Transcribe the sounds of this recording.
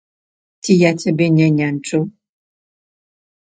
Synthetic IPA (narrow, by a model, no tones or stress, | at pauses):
tijatɛbeɲɛɲan̩t͡ʃo